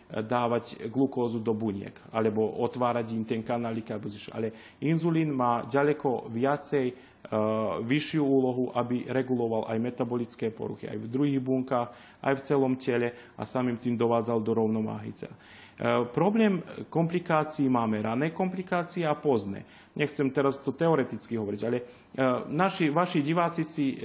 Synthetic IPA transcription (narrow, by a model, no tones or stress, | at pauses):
d̪aːʋacɡlukɔːzud̪ɔbuɲɪɛ̰kalɛbɔɔt̪ʋaːɾaɟimt̪ɛnkanalikalɛbɔziʃa̰lɛ | inzuliːnmaːɟalɛkɔʋɪat͡sɛj | ʋiʃːjuuːlɔɦuʔabiɾɛɡulɔʋalʔajmɛt̪abɔlit͡skɛːpɔ̰ɾṵxḭa̰jvd̪ɾuɦiːɣbuŋkaːx | a̰jft͡sɛlɔmcɛʎɛa̰samiːmt̪iːmd̪ɔʋaːd͡zald̪ɔɾɔʊnɔʋa̰ːɦḭt͡sɛ̰a | pɾɔblɛːmkɔmplikaːt͡siːmaːmɛɾanɛːkɔmplikaːt͡siɛapɔznɛ̰ː | ɲʔɛxt͡sɛmt̪ɛɾazt̪ɔt̪ɛɔɾɛt̪it͡skiɦɔʋɔɾiɟalɛ | naʃiʋaʃiɟiʋaːt͡sisi